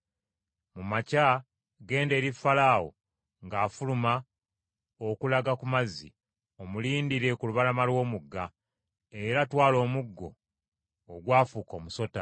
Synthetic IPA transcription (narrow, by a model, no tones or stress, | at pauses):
mumaca | ɡe̞ːnde̞ːɾifalaːwo̰ | ŋɡaːfuluma | okulaɡakumazḭ | o̞muliːndiɾe̞kuluβalamalwo̞ːmuɡːa | e̞ɾatwaːlo̞ːmuɡːo̞̰ː | ɡwaːfuːko̞ːmuso̞ta